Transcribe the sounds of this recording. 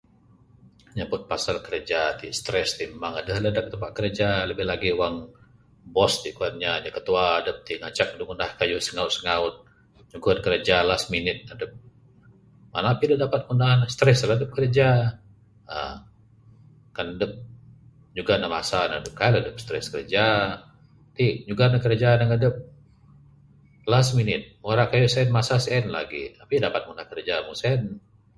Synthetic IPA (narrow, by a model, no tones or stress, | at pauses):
ɲabʊt̪̚pasalkəɾəd͡ʒat̪ist̪ɾɛst̪immaŋadəhlədak̚t̪əpaʔkəɾəd͡ʒaləbɪhlaɡiuwaŋ | bɔst̪ikuat̪̚ɲaɲakət̪uaːdəp̚t̪iŋat͡ʃak̚duŋundahkajusəŋaʊt̪̚sə̥ŋaʊt̪̚ | d͡ʒuŋkudkəɾəd͡ʒalasminɪt̪̚adəp̚ | manapidədapat̪̚kundanast̪ɾɛsəladəp̚kəɾd͡ʒa | ə̰ | kanadəp̚ | d͡ʒuɡanama̰sanədəp̚kaalədəp̚st̪ɾɛ̰skəɾd͡ʒa | t̪id͡ʒuɡanakəɾad͡ʒaːnaŋədəp̚ | lasminɪt̪̚woɾakajusɛnmasasɛnla̰ɡḭapidapat̪̚munahkəɾəd͡ʒamuŋsɛn